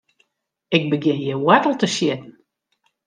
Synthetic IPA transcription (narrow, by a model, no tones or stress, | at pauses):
ɪk̚bəɡɪnjəwatəl̩ˠtəʃjɪtn̩